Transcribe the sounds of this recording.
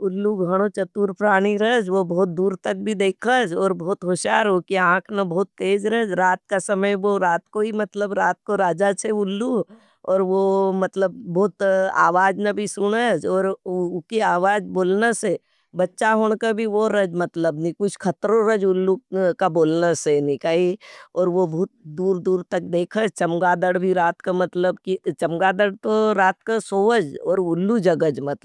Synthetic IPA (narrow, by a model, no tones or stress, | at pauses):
ʊlːuɡʱɐɽ̃õt͡ʃɐt̪uːɾpɾaːɽ̃iɾɐd͡ʒʋobɔːt̪̚d̪uːɾt̪ək̚bʱid̪eːkʰəd͡ʒɔːɾbɔːt̪ɦoʃaːɾokiãːkʰnabɐɦːt̪ːeːd͡ʒɾəɛd͡ʒɾaːt̪̚kasɐməjʋoɾaːt̪koɦimɐt̪ləbɾaːt̪̚koɾaːd͡ʒaseʊlːu | ɔːɾʋomɐt̪ləbːɔːt̪a̰ːʋaːd͡ʒnabʱisʊɽ̃əd͡ʒɔːɾkiaːʋaːd͡ʒboːlnase | bɐtːʃaɦoːɽ̃kabʱiʋoɾəd͡ʒmɐt̪ləbnikʊt͡ʃʰkʰɐt̪ɾõɾəd͡ʒʊlːukaboːlnasenɪkaːiɔːɾʋobuːt̪̚d̪uːɾd̪uːɾt̪ɐk̚d̪eːkʰət͡ʃɐmɡaːd̪əɽbʱiɾaːt̪kamɐt̪ləbkit͡ʃɐmɡaːd̪əɽt̪oɾaːt̪̚kasoːʋəd͡ʒɔːɾʊlːud͡ʒɐɡəd͡ʒmɐt̪